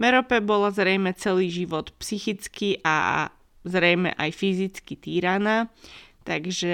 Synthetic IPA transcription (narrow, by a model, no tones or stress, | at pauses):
mɛɾɔpɛbɔlazɾɛjmɛt͡sɛliːʒiʋɔt̪psixit͡skiʔa̰ | zɾɛjmɛ̰ʔajfizit͡skit̪iːɾanaːt̪aɡʒɛ